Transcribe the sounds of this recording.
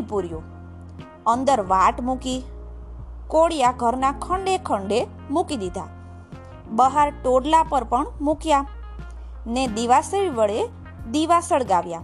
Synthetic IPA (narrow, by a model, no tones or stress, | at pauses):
puɾju | ənd̪əɾʋaʈmuki | koɽjaɡʱəɾnakʰəɳɖekʰəɳɖe | mukid̪id̪ʱa̰ | bəɦaɾʈoɽlapəɾpəɳmukja | ned̪iʋaseʋiʋəɭe | d̪iʋasəɭɡaʋja